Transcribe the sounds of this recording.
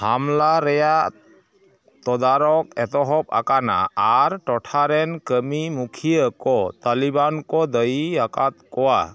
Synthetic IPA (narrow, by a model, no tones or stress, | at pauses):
hamlaɾɛjaʔ | t̪ɔd̪aɾɔk̚ɛt̪ɔɦɔp̚a̰kana̰ːɾʈɔʈʰaɾɛnkəmimukʰijəkɔt̪alibankɔd̪əjiakat̪̚kɔwa